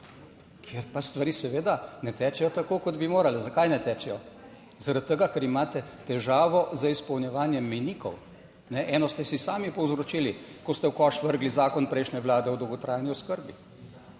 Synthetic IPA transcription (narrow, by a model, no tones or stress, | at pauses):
kʰjeɾpast̪ʋaɾiːsɛʋeːd̪anɛt̪ɛːt͡ʃɛjɔt̪akoːkɔd̪bimoːɾalɛzakajnɛt̪ɛːt͡ʃɛjɔ | zaɾat̪̚tːəɡakɛɾimaːt̪ɛt̪ɛʒaːʋɔzaispɔwnjɛʋaːnjɛmːɛjniːkɔw | nɛʔɛːnɔst̪ɛsisaːmipɔwzɾot͡ʃiːlikɔst̪ɛwkɔʃʋəɾɡlizaːkɔnpɾɛɪjʃnʲɛʋlaːd̪ɛɔd̪ɔwɡɔt̪ɾaːjniɔskəɾbi